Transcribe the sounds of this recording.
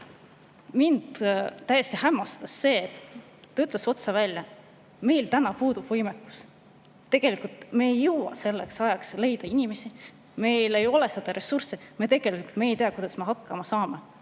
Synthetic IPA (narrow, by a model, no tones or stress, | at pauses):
mind̪̥t̪ːæjest̪ihæmːɑst̪ɑsːe̞ːt̪ː | ɑyt̪ˑleso̞t̪sɑvælʲjɑ | me̞jlt̪ænɑpuːd̪ub̥vɤjmekːˑu̥s | t̪ːe̞ɡ̥e̞likult̪me̞ːjːɤwwɑ̰se̞lːeksɑjɑksle̞jd̪̥ɑinime̞si | me̞jle̞jo̞le̞se̞d̪̥ɑɾe̞sursemet̪e̞ɡ̥e̞likuult̪me̞ːjt̪eɑkujd̪̥ɑsme̞ɦɑkːɑmɑsɑːme